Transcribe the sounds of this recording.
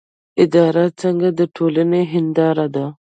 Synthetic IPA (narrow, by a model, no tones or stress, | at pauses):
ɪd̪ɑːɾat͡sɐŋɡad̪əʈʰoːləneɦɪnd̪ɑːɾad̪a